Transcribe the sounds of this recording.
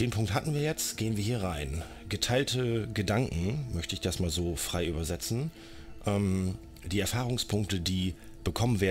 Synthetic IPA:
d̥eːnpʰʊŋkthatn̩viːɐjɛt͡stɡ̥eːənviːɐɦiːɐʁaɪn | ɡətʰaɪltəɡədaŋkŋ̩mœçtəɪçd̥asmaːlzoːfʁ̥aɪʔyːbɐzɛt͡sn̩ | ʔɛm | d̥iːɛɐfaːʁʊŋspʰʊŋk̚tədiː | b̥əkʰɔmənveːɐ

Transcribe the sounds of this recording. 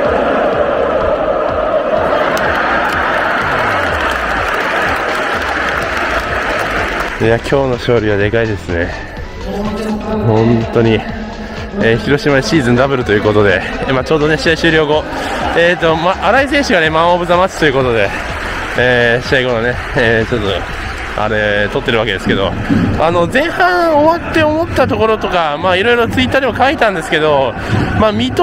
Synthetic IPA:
ejakʲʰo̞ːno̞ɕo̞ːɾʲiβ̞ad̪e̞kaid̪e̞sɨne̞̰ | hõ̞nt̪o̞ɲ̟i | eːçiɾo̞ɕimaneɕiːzɨ̃nd̪abɯ̟ɾɯ̟t̪o̞jiɯ̟ko̞t̪o̞d̪e̞maːt͡ɕo̞ːd̪o̞ne̞ɕiaiɕɨːɾʲjo̞ːɡo̞ | eːt̪ːo̞maʔaɾais̬ẽ̞ːɕiɡane̞mãobɯ̟zamat͡ɕi̥t̪o̞jiɯ̟kot̪o̞d̪e̞ | eːɕiaiɡo̞none̞ | eːt͡ɕot̪ːo | a̰ɾe̞t̪o̞t̪ːe̞ɾɯ̟ake̞d̪e̞sɨ̥ke̞d̪o̞̰ | ano̞zẽ̞ɰ̃hãɰ̃oβat̪ːe̞omo̞t̪ːat̪o̞ko̞ɾo̞t̪o̞kamaiɾo̞iɾo̞t͡sɨit̪ːaːd̪emokait̪ãnd̪e̞sɨ̥ke̞d̪o̞ | maːmʲit̪o

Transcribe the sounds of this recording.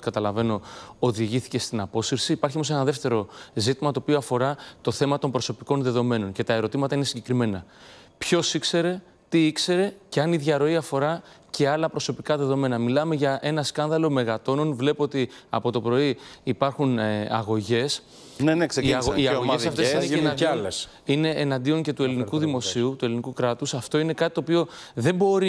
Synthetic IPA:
kɐt̪ɐlɐve̞no̞oðiʝiθi̥ce̞st̪inɐpo̞sifsiːpɐɾçiomo̞se̞nɐðe̞ft̪e̞ɾo̞zit̪imɐt̪o̞ːpio̞ɐfo̞ɾɐt̪o̞θe̞mɐt̪o̞mpɾo̞so̞piko̞nðe̞ðo̞me̞no̞nce̞t̪ɐe̞ɾo̞t̪imɐt̪ɐine̞siɲɟe̞kɾime̞nɐ | pço̞sikse̞ɾe̞ | t̪iikse̞ɾe̞ceɐniðʝɐɾo̞iɐfo̞ɾɐce̞ɐlɐpɾo̞so̞pikɐðe̞ðo̞me̞nɐmilɐme̞ʝɐʔe̞nɐskɐnðɐlo̞me̞ɣɐt̪o̞no̞nvle̞poot̪iɐ̰po̞t̪o̞pɾo̞iːpɐɾxunɐ̰ɣo̞ʝe̞s | nenekseiɐɣoiɐɣoesɐft̪eseɐdles | ine̞ʔːnɐnd̪io̞ŋce̞t̪ue̞linikuðimo̞siut̪uelinikukɾɐt̪usɐft̪o̞ine̞kɐt̪it̪oːpio̞ | ðe̞mbo̞ɾi

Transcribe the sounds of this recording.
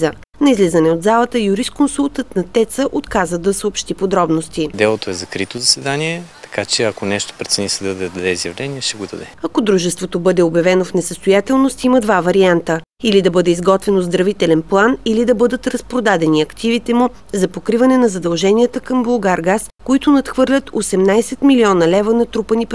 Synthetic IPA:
zə | nɐizlizɐnɛod̪zalˠət̪əjuɾist̪konsulˠt̪ət̪nɐt̪ɛt̪səʔot̪kazəd̪ɐsɛopʃt̪ipod̪ɾɔbnost̪id̪ɛlˠot̪oɛzɐkɾit̪ozɐsvɛd̪aniɛt̪ɐ̥kat͡ʃɛɐkonɛʃt̪o̥pɾɛt̪sɛnisɛd̪ɐd̪ɐd̪ɐd̪ɛizjɐvlɛnʲiɛʃt̪ɛɡod̪ɐd̪ɛɐkod̪ɾuʒɛst̪vot̪obɤd̪ɛobjɐvɛnofnɛsəst̪ojat̪ɛlˠnost̪iməd̪vavɐɾiant̪ə | ilid̪ɐbɤd̪ɛizɡɔt̪vɛnozd̪ɾɐvit̪ɛlɛnplˠanilid̪ɐbɤd̪ət̪ɾɐspɾod̪ad̪ɛniɐkt̪ivit̪ɛmu | zɐpokɾivɐnɛnɐzɐd̪ɐlˠʒɛnijət̪əkəmbolˠɡaɾɡaskoit̪ʊnɐt̪xvɤɾlʲət̪osɛmnajsɛt̪miliɔnəlɛvənɐt̪ɾupənip

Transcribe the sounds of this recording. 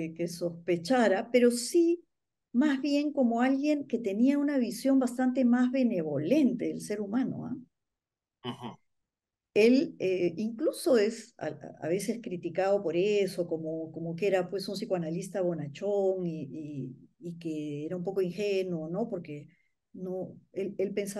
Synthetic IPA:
keso̞spe̞t͡ʃaɾape̞ɾo̞si | mazβje̞ŋko̞mo̞alɣje̞ŋke̞t̪e̞niaunaβ̞isjo̞mbast̪ant̪̬e̞mazβe̞ne̞βo̞le̞nt̪e̞ðelse̞ɾumãno̞̰a̰ | a | e̞leiŋkluso̞e̞sa̰a̰β̞e̞se̞skɾit̪ikað̞o̞po̞ɾeso̞ko̞mokomo̞ke̞ɾapwe̞sunsikoanalist̪aβo̞nat͡ʃoŋiiː | keeɾaumpo̞ko̞iŋxenuono̞po̞ɾke̞ | no̞elelpensa

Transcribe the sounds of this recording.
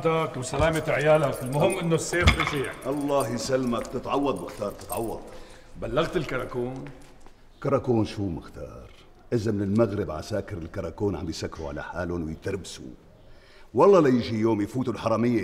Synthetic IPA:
t̪akwsalaːmɪt̪ʕjaːlakɪlmʊhɪmːʔɪnːosːeːfliʃiːʔɑlˤːɑːɦisalmak̚t̪ɪt̪ʕɑwːɑd̪ˤmɪxt̪ɑːɾt̪ɪ̥t̪ʕɑwːɑ̰d̪̚ˤ | balːaɣt̪ɪlkɑɾˤɑkuːn | kɑɾˤɑkuːnʃuːmɪxt̪ɑ̰ːɾˤ | ʔɪzamɪnɪlmaɣɾɪbʕa̰saːkɪɾɪlkɑɾˤɑkuːnʕa̰mbijsakːɾṵʕa̰la̰ħa̰ːlʊnwɪjt̪ɑɾbsṵ | wɑlˤːɑlajɪʒijoːmjfuːt̪ulħɑɾˤɑmɪjːe

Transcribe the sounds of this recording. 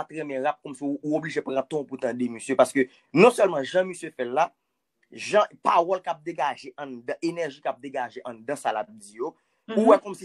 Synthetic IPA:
at̪ɣɛ̃mɛ̃ɣap̚kɔmsiːobliʒepʁãt̪ɔ̃put̪ãdemøsjøpaʁskø | nɔ̃sœlmãʒãməsjøfɛlːa | ʒãpaʁɔlkap̚d̪eɡaʒeʔɐ̃d̪ãʔenɛʁʒikap̚d̪eɡaʒeʔɐ̃d̪ãsalap̚d͡zijo | uwɛkɔmsi

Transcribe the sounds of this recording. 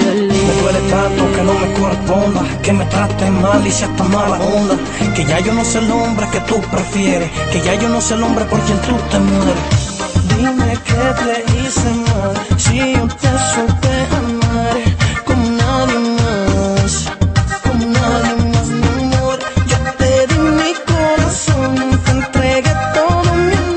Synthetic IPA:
met̪uɛlet̪ɾat̪okenɐ̃w̃mekoɾepõnd̪ɐkemet̪ɾat̪ɛmalisɛt̪amaɾaõnd̪ɐ | keʒaewnɐ̃w̃selõmbɾeket̪upɾefjɛɾekeʒaewnɐ̃w̃selõmbɾepoɾkẽnt̪ut̪emɔɾ | d̪imekepɾeisemaɾsiõt̪ɛsupeɾamaɾkomʊnaðjemaskomʊnaðjemaznɐ̃moɾʒop̪ɛðɪmikoɾasõw̃t̪ent̪ɾɛɣet̪oðʊmi

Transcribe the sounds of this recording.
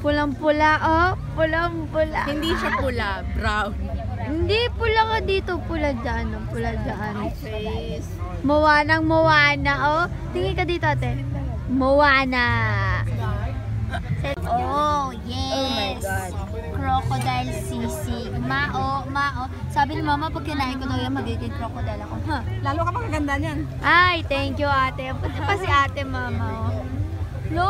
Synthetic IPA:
pʊlɐŋpʊlaʔopʊlɐŋpʊla̰hɪnd̪iʃapʊlabɾawn | hɪnd̪ipʊlɐkɐd̪iːt̪opʊlad͡ʒaʔanɐŋpʊlad͡ʒɐʔansɛ | s | mɐwaːnɐŋmɐwaːnɐʔo | t̪ɪŋɪkɐd̪iːt̪oʔɐt̪ɛ | mɐwaːnɐ | oojɛs | kɾokod̪ajlsisimaʔomaʔo | saːbɪnɪmaːmɐpɐɡkːɛnaʔɛkonojɐŋmɐɡɪɡ̪ɪd̪̚kɾokod̪ɐjlɐkoɦalaːlukɐpɐŋɐɡɐnd̪anjan | ʔajt̪ɛŋkjʊʔaːt̪ɛpʊt̪ɐpɐsɪʔaːt̪ɛmaːmɐo | lo

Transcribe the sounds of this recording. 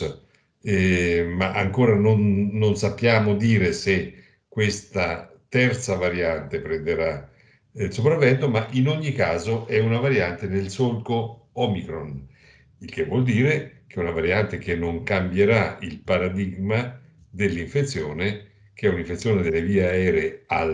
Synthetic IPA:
ɛmaʔa̰ŋkoːɾanonːonsapːjaːmod̪iːɾese | kːwest̪at̪ɛrt̪savaɾjant̪epɾend̪eɾa | ilsopɾavːɛnt̪omaʔinoɲːikaːzoʔɛunavaɾjant̪enelsolko | ɔmikɾon | ilk̟evwɔld̪iːɾek̟eɛunavaɾjant̪ek̟enːoŋkambjeɾailpaɾad̪iɡma | d̪elːiɱfet̪sːjoːne | k̟eɛuniɱfet̪sːjoːned̪elːeviːaɛːɾeea

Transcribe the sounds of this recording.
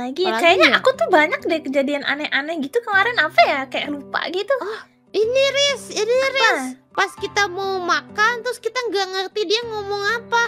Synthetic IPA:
laɡiakajaɲaakut̪ʊhbaɲak̚dakəd͡ʒadianʔa̰nɛʔanɛɡit̪ukəmaɾɪnapajakajaʔlupa̰ɡit̪u | iniɾɪsiniɾɪspaskit̪amomakant̪ɾʊskit̪aŋɡaŋərt̪idiaŋomɔŋapa

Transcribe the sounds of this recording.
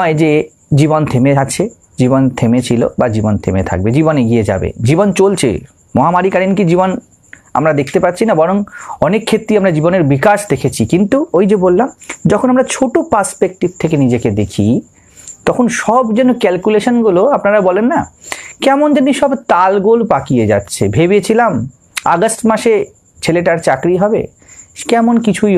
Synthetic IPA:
ed͡ʑe | d͡ʑibont̪ʰemet͡ɕʰe | d͡ʑibont̪ʰemet͡ɕʰilo̰bad͡ʑibont̪ʰḛmḛt̪ʰa̰k̚bed͡ʑiboneɡied͡ʑa̰bḛd͡ʑibont͡ɕolt͡ɕʰḛ | mɔɦamaɾikaɾinkid͡ʑibon | a̰mɾad̪ekʰt̪epatːt͡ɕʰinabɔɾoŋɔnekʰːet̪ːɾiamɾad͡ʑiboneɾbikaʃd̪ekʰet͡ɕʰikint̪uojd͡ʑebolːamd͡ʑɔkʰonamɾat͡ɕʰoʈopaɾspek̚ʈib̚t̪ʰekenid͡ʑeked̪ekʰḭ | t̪ɔkʰonʃɔbd͡ʑenːokɛlkuleʃonɡuloapnaɾabɔlenːakɛmond͡ʑeniʃɔbt̪alɡolpakijed͡ʑa̰tːɕʰḛbʱebet͡ɕʰilam | a̰ɡosʈmaʃe | t͡ɕʰeleʈaɾt͡ɕakɾiɦɔbḛ | kɛmonkit͡ɕʰuj

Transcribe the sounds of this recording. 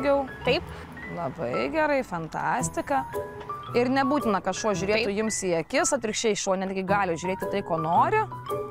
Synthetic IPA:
ɡʲɛʊt̪ɐɪp | lˠɐbɐɪɡʲɛɾɐɪfɐnt̪ɑ̰ːsʲt̪ʲɪkɐ | ɪɾnʲɛbuːt̪ʲɪnɐkɐtʃuɔʒʲʊɾʲeːʊjɪmsiɛkʲɪsɐt̪ʲɾʲɪkʃʲt͡ʃʲɛɪʃuɔnʲɛt̪ʲɡʲɪɡɑːlʲɪʒʲʊɾʲeːt̪ʲɪt̪ɐɪkoːnoːɾʲɪ

